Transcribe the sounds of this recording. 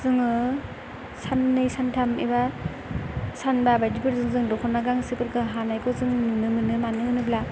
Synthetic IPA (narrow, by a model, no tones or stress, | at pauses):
zɯŋɯ | sanːɯjsantʰamḛba | sanbabajdibɯɾzɯŋzɯŋdɔkʰɔnaɡaŋsɯpɯɾkɯɦanajkʰɔzɯŋnɯmɯnɯmanɯɯnɯbla